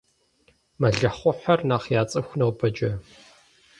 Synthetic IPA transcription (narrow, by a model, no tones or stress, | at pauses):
mɐɮɐχʷʊħɐrnaːχjaːt͡sʼɐxʷnɐwbɐd͡ʒʼɐ